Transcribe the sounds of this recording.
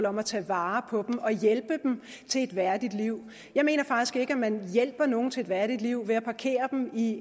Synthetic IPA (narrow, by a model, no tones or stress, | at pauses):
lɒ̽mæt͡sʰɛ̰ːʋɑ̈ːpʰɒ̽b̥m̩ɒ̽jelb̥əd̥m | t͡sʰe̝e̝d̥ʋæɐd̥id̥liʊ̰ | jɑ̈ɪme̝̰ːnɐfɑ̈ɡ̥d̥isɡ̥e̝ɡ̥əæmænjel̰b̥ɐno̝ːn̩t͡sʰe̝e̥ʋæɐɾ̥id̥liʊ̰ʋe̝æpʰɑ̈kʰe̝̰ːɐd̥em̩i